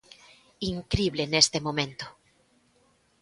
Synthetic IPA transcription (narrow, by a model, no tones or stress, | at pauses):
iŋkɾiβle̞nest̪e̞mõmẽ̞nt̪o̥